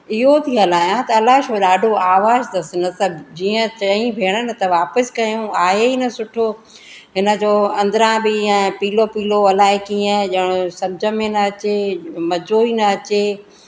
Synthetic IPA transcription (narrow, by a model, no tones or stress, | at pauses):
ɪɦot̪ʰiɦɐlaːjãt̪ɐːlaːʃoːɗaːɖʱoaːʋaːzd̪ɐsɪnɐsəbd͡ʑiːə̃t͡ɕɐĩbʱeːɽ̃ənɪ̆t̪ɐʋaːpəskɐjũaːɦeiːnɐsʊʈʰoː | ɦɪnə̆d͡ʑoːɐ̃nd̪ɾãbɪɛ̃piːlopiːloɐlaːekiə̃ʄɐɽ̃ʊsɐb̚d͡ʑʱəmẽnɐɐt͡ɕemɐd͡ʑoiːnɐɐt͡ɕeː